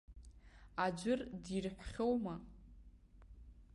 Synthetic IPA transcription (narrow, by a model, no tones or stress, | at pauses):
ad͡ʒʷʊrdirħʷᶣχʲowma